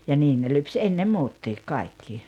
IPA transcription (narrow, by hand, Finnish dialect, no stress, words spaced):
jɑ niːn ne lyps enːe muːtːiːk kɑikːi